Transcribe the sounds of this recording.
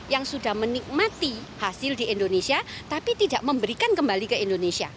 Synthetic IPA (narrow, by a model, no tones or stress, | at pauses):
jaŋsudahmənik̚mat̪ihasɪldiʔindonesiat̪apit̪idaʔməmbəɾikankəmbalikəindonesia